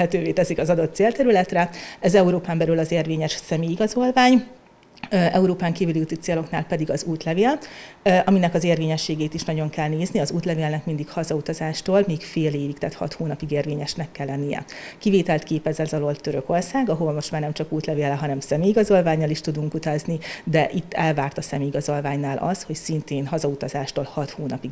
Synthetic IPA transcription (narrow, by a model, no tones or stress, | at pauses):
ɛt̪øːveːt̪ɛsikɒzɒd̪o̞t̪ːseːlt̪ɛɾylɛt̪rɛɛzɛuɾoːpaːmbɛlylɒzeːrveːɲɛʃsɛmeiɡɒzo̞lvaːɲ | ʔɛuɾoːpaːŋkiːvylijuːt̪it̪seːlo̞knaːlpɛd̪iɡɒzuːt̪lɛveːl | ɒminɛkɒzeːrveːɲɛʃːeːɡeːt̪iʃnɒɟo̞ŋkɛlneːzniɒzuːt̪lɛveːlnɛkmind̪ikhɒzɒut̪ɒzaːʃt̪oːlmiːkfeːleːvikt̪ɛt̪hɒ̰t̪hoːnɒpiɡeːrveːɲɛʃnɛkːɛlːɛnːijɛ̰kiveːt̪ɛlt̪keːpɛzɛzɒlo̞lt̪ːøɾøko̞rsaːɡɒɦolmo̞ʃt̪maːrnɛmt͡ʃɒkuːt̪lɛveːlɛɦɒnɛmsɛmeiɡɒzo̞lvaːɲːɒliʃt̪ud̪uŋkut̪ɒznid̪ɛʔit̪ːɛlvaːrt̪ɒsɛmiɡɒzo̞lvaːɲnaːlʔɒ̰sho̞csint̪eːnɦɒzɒut̪ɒzaːʃt̪oːlhɒt̪hoːnɒpiɡ